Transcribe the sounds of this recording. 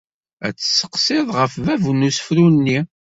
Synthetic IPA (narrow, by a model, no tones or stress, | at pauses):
æ̰t͡sːə̥sːə̥qsɪðˤʁəfvævnusə̥fɾunːi